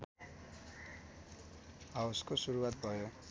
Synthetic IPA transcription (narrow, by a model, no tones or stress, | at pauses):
awskosuɾuwat̪̚bʱʌjo